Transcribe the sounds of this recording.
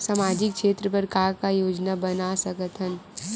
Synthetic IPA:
samaːd͡ʒɪkkʃeːt̪ɾəpəɾkaːkajoːd͡ʒnabɐnasɐɡət̪ʰən

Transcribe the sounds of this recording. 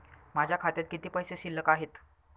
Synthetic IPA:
mad͡ʑʱjakʰat̪jat̪̚kit̪iːpəjseɕilːəkaɦet̪

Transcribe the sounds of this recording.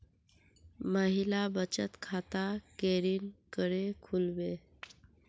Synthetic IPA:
məɦilabət͡ɕət̪kʰat̪akeɾiːnkəɽekʰulʋe

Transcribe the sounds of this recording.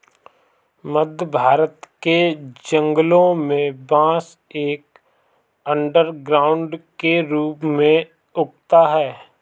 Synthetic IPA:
məd̪ʱbʱaːɾət̪ked͡ʒə̃ŋɡəlõmẽbãːs | eːk̚ | ə̃ɳɖəɾɡɾaːʊ̃ɳɖkeɾuːpmẽ | ʊk̚t̪aɦɛː

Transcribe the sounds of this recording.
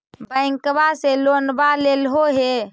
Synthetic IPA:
bəɪ̃ŋkbaselonbalelɦoɦe

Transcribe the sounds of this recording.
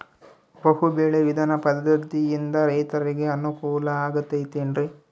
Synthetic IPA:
bɐɦube̞ːɭeʋid̪ʱɐnɐpɐd̪ːɐɾd̪ijind̪ɐɾɐjt̪ɐɾiɡe̞ɐnukuːlɐaːɡɐt̪ːɐjt̪eːnɖɾi

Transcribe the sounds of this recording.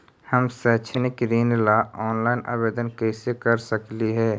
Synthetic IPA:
hɐmsɛːt͡ʃʰənɪkɾiːnlaːɔːnlaːɪnʔa̰ːbeːd̪ənkɛːsekɐɾsəkliɦɛː

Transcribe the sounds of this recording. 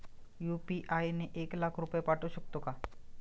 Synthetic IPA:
jupiʔajneʔeklakʰɾupjepaʈuɕək̚t̪oka

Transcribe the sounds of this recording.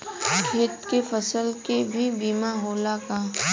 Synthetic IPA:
kʰɪːt̪kefəsəlkebʱibiːmaɦoːlakaː

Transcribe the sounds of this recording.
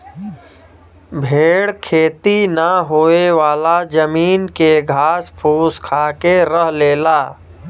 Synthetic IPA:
bʱeːɽkʰeːt̪inaɦoːeʋaːlad͡ʒəmiːnkeɡʱaːspʰuːskʰaːkeɾəɦleːlaː

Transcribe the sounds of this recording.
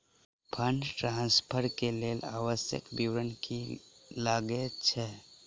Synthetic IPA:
pʰəɳɖʈɾãːnspʰəɾkeleːlaːʋəsjə̰kbiwɾənkilaːɡet͡ʃʰɛ

